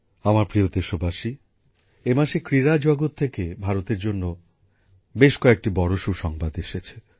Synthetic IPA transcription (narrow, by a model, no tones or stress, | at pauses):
amaɾpɾiot̪eʃobaʃi | emaʃekɾiɾad͡ʑɔɡot̪ʰːekebʱaɾot̪eɾd͡ʑonːo | beʃkɔek̚ʈibɔɾoʃuʃɔŋbad̪eʃet͡ɕʰe̥